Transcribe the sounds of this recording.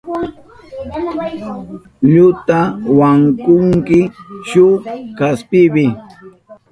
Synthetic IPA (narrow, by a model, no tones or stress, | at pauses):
ʎʊt̪awaŋkʊŋkɪʃʊkaspɪbɪ